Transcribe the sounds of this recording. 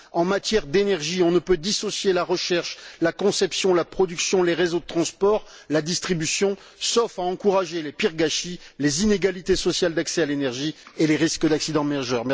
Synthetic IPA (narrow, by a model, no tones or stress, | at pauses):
ɑ̃mat̪jɛʁd̪enɛʁʒiɔ̃nəpød̪isɔsjelaʁəʃɛʁʃlakɔ̃sɛpsjɔ̃lapχɔd̪yksjɔ̃leʁezod̪ət̪χɑ̃spɔʁ | lad̪ist̪χibysjɔ̃ | sɔfaɑ̃kuʁaʒelepiʁɡaʃilezineɡalit̪esɔsjald̪aksɛalenɛʁʒieleʁiskəd̪aksid̪ɑ̃mɛʒœʁmɛ